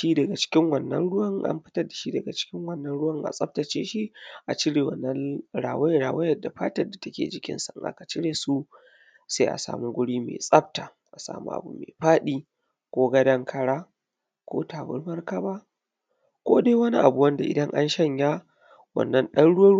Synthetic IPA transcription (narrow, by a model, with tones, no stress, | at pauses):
ʃi˦dɐ˨ɡa˨t͡ʃɪ̥˦kʲɪ˦ŋwɐ˨nːɐ̰˦nɽʊ˦wɐ˦ŋʔa̰˦mɸɪ˦tɐ˦rda˨ʃi˦dɐ˨ɡa˨t͡ʃɪ̥˦kʲɪ˦ŋwɐ˦˨nːɐ˦nɽʊ˦wɐ˦˨ŋʔa̰˨sʼɐ˦b̚tɐ˨t͡ʃḛː˦ʃi˦ʔa˨t͡ʃɪ˦ɽeː˨wɐ̰˨nːɐ˦nɽa̰ː˨wɐ˦jɽaː˨wɐ˦jɐ˦dːa˨ɸaː˦tɐ˦rda˨tɐ˦kʲḛː˨d͡ʒɪ˦kʲɪ̰˦nsa˨ʔŋʔa̰˦ka˨t͡ʃɪ˦ɽeː˨su˦ | sa˦ʔa̰˨sa̰ː˨mu˦ɡʷʊ˦ɽiː˦mḛː˨sʼɐ˦b̚ta˨ | ʔa˨sa̰ː˨mṵ˦ʔa̰˨bṵ˨mḛː˨ɸaː˦ɗiː˦ | kʷoː˦ɡɐ˦dɐ˦ŋkʰɐ˦ɽaː˦ | kʷo̰ː˦taː˨bʊ̰˦rmɐ˦rkɐ˦baː˦ | kʷoː˦deː˦wɐ˦ni˦ʔa̰˨bu˨wɐ˦nda˨ʔɪ̰˨dɐ˦ŋʔa̰˦nʃɐ˦˨ɲja˦ | wɐ̰˨nːɐ˦nɗɐ˦nɽʊ˦wɐ˦